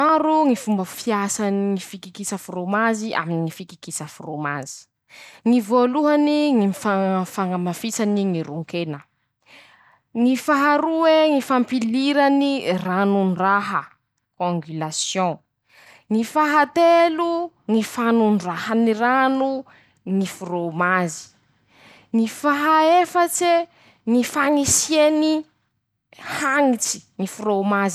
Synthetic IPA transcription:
aɾuŋifumbəfiasaniŋifikikisəfuromaziʔa̰minifiki̥kisəfuromazi̥ | ŋivoluɦaniŋimfafaŋamafisaniŋiɾuŋkenə | ŋifaɦaɾuweŋifampiliɾaniranunraɦə | kõŋɡylasjɔ̃ | ŋifaɦat̪elu | ŋifanunɖ͡ʐahaniɾanu | ŋifuɾomazi̥ | ŋifaɦaefat͡se | ŋifaŋisjeni | haŋit͡si̥ŋifuɾomazi

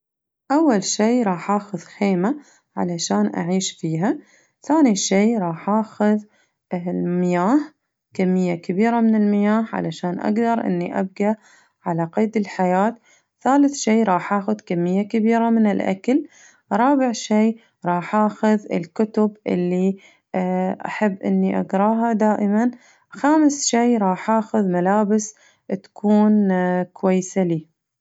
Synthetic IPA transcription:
ʔawːalʃiːɾˤɑːħʔaːxʊðxeːma | ʕa̰laʃaːnʔa̰ʕiːʃfiːɦa | θaːniʃiːɾˤɑːħʔaːxʊð | lmɪjaːh | kamːɪjːakabiːɾamɪnɪlmɪjaːhʕa̰laʃaːnʔa̰ɡd̪ɑɾˤʔɪ̰nːiʔa̰b̚ɡa | ʕalaqeːd̪ɪlħajaːt̪ | θaːlɪθʃiːɾˤɑːħʔaːxʊðkamːɪjːakɪbiːɾamɪnɪlʔa̰kal | ɾˤɑːbɪʕʃiː | ɾˤɑːħʔaːxʊðɪ̰lkʊt̪ʊbʔɪ̰lːi | ʔa̰ħabːʔɪnːiʔa̰ɡɾˤɑːɦad̪aːʔɪman | xaːmsʃiːɾˤɑːħʔaːxʊðmalaːbɪs | t̪ḁkʰuːnkwajːɪsaliː

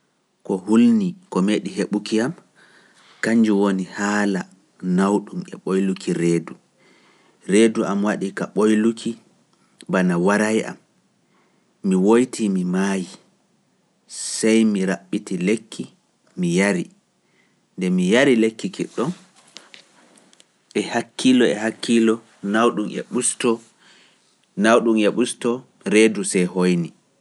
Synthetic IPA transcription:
kɔhulnikɔmeːɗiɦeɓukiam | kaɲd͡ʒiwonihaːla | nawɗumɛ̰ɓojlukʰiɾeːdu | ɾeːduʔamwaɗikaɓojlukʰi | banawaɾajʔa̰m | iwojtʰimimaji | sajmiɾaɓːitilekʰːi | mijaɾi | ndɛmijaɾilekːikiɗːɔn | ʔɛhakʰːilɔɛhakːilɔ | nawɗumɛ̰ɓustɔ | nawɗumɛɓustɔ | ɾeːdusɛjhojni

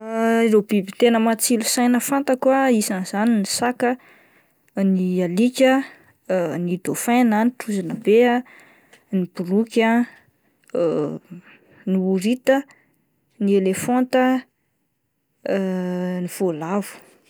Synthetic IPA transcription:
rebibit̪enəmat͡silusajnəfant̪akwaisanz̥aninisakə | nialikʲə | nid̪̥ofananiʈ͡ʂuzanəbea | nib̥urukʲa | niuɾit̪ə | nielefɔnt̪ə | niv̥olavu̥

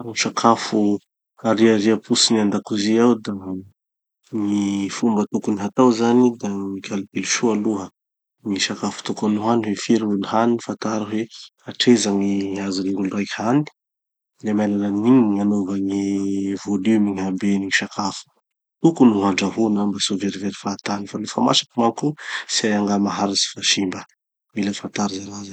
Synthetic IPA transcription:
ŋiʃakʰafu | aɾiaɾiəpʰusiniand̪akuziawd̪a | ŋifumbət̪ukuniɦat̪awzanid̪aŋikʰʲalit̪iluʃualuɦə | ŋiʃakafu̥t̪ukanuɦaniwefiɾuniɦanifant̪aɾaɦweaʈ͡ʂezaŋiazaniŋulurajkʲani̥ | lemajnananiɲiŋanovaŋivolymiŋɦabeniŋiʃakʰafu̥ | t̪ukunuɦaɳɖ͡ʐaɦunambasoveɾiveɾifat̪anifalefama̰ʃḁkimaŋkusiajaŋɡamaɦaɾisi̥faʃimbə | miləfant̪aɾzaɾaza

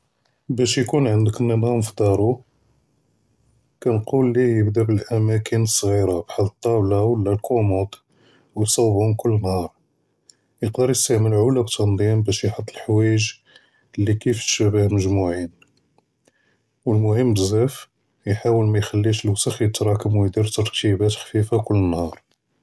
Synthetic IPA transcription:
bæʃjkunʕənd̪əkənːənhæmfd̪ˤɑɾˤu | kænqulːijəbd̪æbəlʔæmækənəsˤːɣiɾabħad̪t̪ˤːɑblawəlːælkʰomut̪ | wjsˤɑwbhʊmkʊlːənhɑɾˤ | jəqd̪əɾˤjəst̪æʕmənʕʊlæbt̪ʰːɑnd̪ˤimbæʃjħət̪ˤːəlħwæəʒ | lːikifʃəbəhlməʒmuʕin | wəlmʊhəmːbəzæf | jħawəlmæjxælːiʃəlwsəxjət̪ɾˤɑkəmwəjd̪iɾt̪ɑɾˤt̪ibæt̪xfifakʊlːənhɑɾˤ

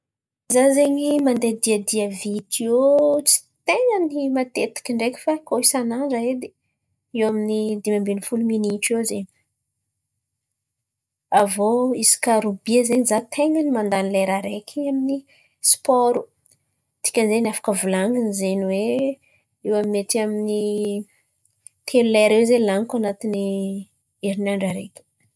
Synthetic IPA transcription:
zazeɲimand̪ed̪iad̪iavit̪iot͡si̥t̪eŋənimat̪et̪i̥kʲiɳɖ͡ʐekʲi̥fakoisanaɳɖ͡ʐaed̪e | ewaminid̪imambenifuluminiʈ͡ʂezeɲi̥ | avoisi̥kaɾubiezenizat̪ʰeŋənimand̪anileɾaɾekʲʰamini | spɔɾu | t̪i̥kʲənzenafḁkəvulaŋɡinizenwe | ewaminet̪iamini | t̪ʰeluleaaɾewzelaŋkanat̪ini | eɾinaɳɖ͡ʐaɾekʲi̥

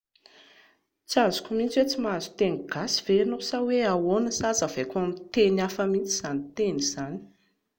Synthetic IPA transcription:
t͡sazukʲumint͡set͡simazu̥t̪eŋiɡ̥asi̥v̥enosaweawonəsazəvekʲamit̪enafəmint͡siz̥anit̪eniz̥ani̥

